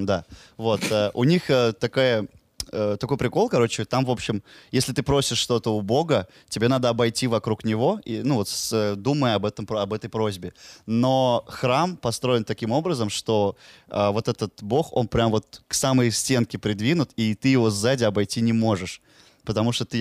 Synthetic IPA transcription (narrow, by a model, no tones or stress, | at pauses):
d̪a | vo̞t̪əʔʊnʲixət̪ɐkajə | ət̪ɐko̞jpɾʲɪko̞lˠkɐɾo̞t͡ɕɪt̪amvo̞pɕːɪmjesʲlʲɪt̪ɨpɾo̞sʲɪʂʂt̪o̞t̪əʊbo̞ɡə | tʲɪbʲe̞nad̪əɐbɐjtʲivɐkɾuknʲɪvo̞ḭnuvo̞t̪səd̪uməjɐbɛt̪əmɐbɛt̪əjpɾo̞zʲbʲɪno̞xɾampɐst̪ɾo̞ɪnt̪ɐkʲimo̞bɾəzəmʂt̪o̞əvo̞t̪ɛt̪ət̪bo̞xo̞̰npɾʲamvo̞t̪̚ksaməjsʲtʲe̞nkʲɪpɾʲɪd̪vʲinʊt̪it̪ɨjɪvo̞zːadʲɪɐbɐjtʲinʲɪmo̞ʐɨʂ | pət̪ɐmuʂt̪ot̪ɨ